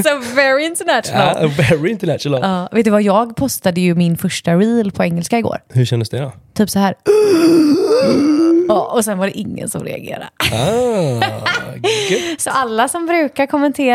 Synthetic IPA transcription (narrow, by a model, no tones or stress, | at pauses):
sɔvɛɹɪɪnt̪ənæʃlvɛɾɪɪnt̪ənæʃnlɑːveːt̪ːəvajɑːɡpʰɔst̪ad̪əjɵmɪnfœʂʈaɾiːlpʰɔɛŋːɛlskaɪɡo̰ːɾhɵʂɛnd̪əsd̪ɛd̪ɔt̪ʰyːpsɔɦæːɾ | ɑʔɔsɛnvaɖɛʔɪŋːə̰nsɔ̰mɾɛ̰a̰ɡḛːɾa̰ | sɔʔalːasɔmbɾʉ̟ːkaɾkʰɔmːɛnt̪ʰeː